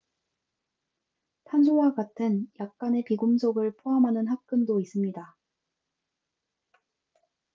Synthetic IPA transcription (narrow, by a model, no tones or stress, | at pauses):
tʰansʰowaɡatʰɯnjak̚k͈ane̞piɡumsʰoɡɯɭpʰoɦamɦanɯnɦak̚k͈ɯndois͈ɯmɲida